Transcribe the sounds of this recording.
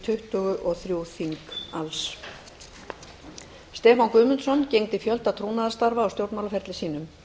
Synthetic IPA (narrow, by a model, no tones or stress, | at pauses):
t̪ʰʏht̪ʏɣʏʔɔɣθɾjuwθiŋkals | st̪ɛːfankʏːmʏnsɔncejŋt̪ɪfjœlt̪at̪ʰɾuːnaðst̪aɾvaːwst̪jowɾt̪mawlafɛɾt̪lɪsiːnʏm